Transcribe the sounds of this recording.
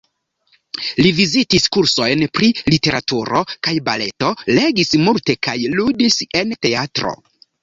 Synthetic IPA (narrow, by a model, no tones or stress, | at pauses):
livizitiskuɾso̞jnpɾilite̞ɾa̰tuɾo̞kajbale̞to̞le̞ɡismulte̞kajludise̞nte̞atɾo̞̰